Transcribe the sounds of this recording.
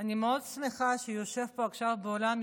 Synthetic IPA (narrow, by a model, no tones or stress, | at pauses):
animeo̞dsmeχaʃejo̞ʃe̞vpo̞akʃavbeolam